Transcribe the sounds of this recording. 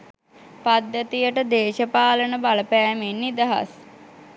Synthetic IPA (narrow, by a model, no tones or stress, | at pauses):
pad̪jət̪ijəʈəd̪eːʃəpaːlənəbaləpæːmenːid̪ɐɦa̰s